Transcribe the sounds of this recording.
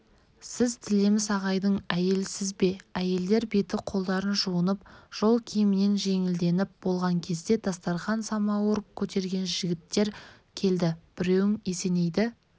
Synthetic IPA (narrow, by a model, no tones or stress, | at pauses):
sɪzt̪ʰɪle̞mɪsɑʁɑjd̪əɴæje̞lsɪzbe̞æje̞ld̪e̞ɾbe̞t̪ɪqʰo̞lˠd̪ɑɾənʒuənəpʒ̥o̞lˠkʲʰijɪmɪne̞nʒe̞ŋɪld̪e̞nɪp̚b̥olˠʁɑŋkʲʰe̞zd̪e̞d̪ɑst̪ɑɾχɑnsɑmɑwoɾəp̚kʲʰɵt̪e̞ɾɡʲe̞nʒɪɡʲɪt̪ːe̞ɾ | kʲʰe̞ld̪ɪb̥ɪɾe̞wɪŋe̞se̞ne̞jd̪ɪ